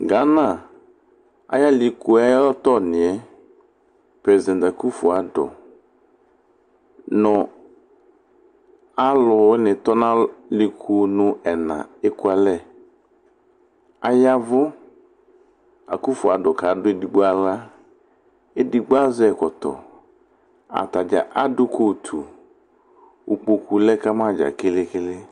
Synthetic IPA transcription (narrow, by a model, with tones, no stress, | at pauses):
ɡa˨˦na˨ | a̰˦ja˦li˨ku˨a˦jlɔ˦tɔ˦˨nɪ˨ɛ˦ | pɾɛ˨zdɛ̃˨nta˨ku˦fʊ˨a˨dɔ̰˨ | nʊ˨ | a˦lʊ˨wɪ˦nɪ˨tɔ˦nã˦lɪ˨kʰu˨nʊ˦ɛ˨nã̰˨e˦ku˦a˨lɛ˦˨ | a̰˨ja˦vʊ˦ | a˨ku˦fʊ˨a˨dʊ˨ka˨˦dʊ˦e˨di˨ɡ͡ba˦la˦ | e˦di˨ɡ͡ba˦zɛ˦˨kɔ˨t̪ɔ̰˨ | a̰˨ta˨d͡ʒa̰˨ʔa˦dʊ˦kʰo˦˨t̪ʰu˨ | u˨k͡po˨ku˨lɛ˦ka˦mã˦˨d͡ʒa̰˨kɪ˦lɪ˦kɪ˦lɪ˦